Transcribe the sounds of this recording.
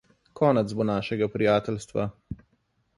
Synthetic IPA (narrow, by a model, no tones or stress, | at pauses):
kɔːnɛt̪zbonaːʃɛɡapɾijaːt̪ɛlst̪ʋa̰